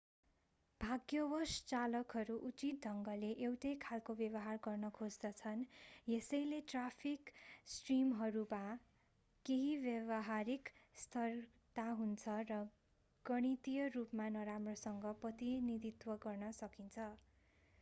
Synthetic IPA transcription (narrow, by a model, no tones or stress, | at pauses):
b̥ʱaɡjʌbʌst͡salʌkɦʌɾuʔut͡sit̪̚d̪ʱʌŋɡʌleʔewʈʌjkʰalkobjʌβʌɦarɡʌrnʌkʰod͡zd̪ʌt͡sʰʌnjesʌjleʈrapʰiksʈrimɦʌɾuma | keɦibjʌβʌɦaɾikst̪ʰʌr | t̪aɦunt͡sʰʌrʌ | ɡ̥ʌɽ̃it̪ijʌrupmanʌɾamrosʌŋɡʌprʌt̪inid̪it̪wʌɡʌrnʌsʌkint͡sʰʌ